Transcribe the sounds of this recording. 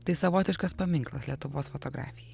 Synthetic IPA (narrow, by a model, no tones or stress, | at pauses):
t̪ɐɪsɐʋoːt̪ʲɪʃkɐspɐmʲɪŋklˠɐslʲiɛt̪ʊʋoːsfot̪oːɡɾɑ̰ːfʲɪjɛ